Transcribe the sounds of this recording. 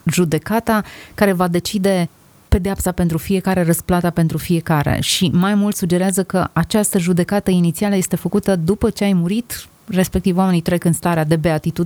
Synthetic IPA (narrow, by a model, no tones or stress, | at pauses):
ʒud̪e̞kat̪akaɾe̞vad̪e̞t͡ʃid̪e̞ | pe̞d̪eapsape̞nt̪ɾufije̞kaɾe̞rəsplat̪ape̞nt̪ɾufie̞kaɾḛʃimajmult̪sud͡ʒe̞ɾeazəkəat͡ʃast̪əʒud̪e̞kat̪əinit̪sialəjest̪e̞fəkut̪əd̪upət͡ʃe̞ajmuɾit̪ | re̞spe̞kt̪ivwame̞nit̪ɾe̞kɨnst̪aɾead̪e̞be̞at̪it̪ud̪